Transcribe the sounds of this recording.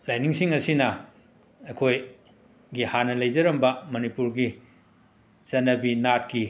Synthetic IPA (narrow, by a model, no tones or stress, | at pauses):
lajniŋsiŋɐsinɐ | ɐkʰoj | ɡihanɐlɐjzɐɾɐmbɐmɐnipuɾɡi | zɐnːɐbinat̚ki